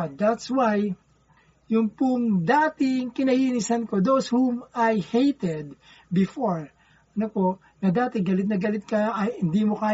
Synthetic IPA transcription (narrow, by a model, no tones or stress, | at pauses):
d̪at̪swaj | jʊŋpʊŋd̪aːt̪ɪŋkɪnɐhiːnisɐnko̞d̪oshumajhejt̪ɛd̪̚ | bɪfoɹ | ɐnopo | nɐd̪aːt̪ɛɡɐlɪt̪̚nɐɡɐlɪt̪̚kɐʔɐhɪnd̪imokaː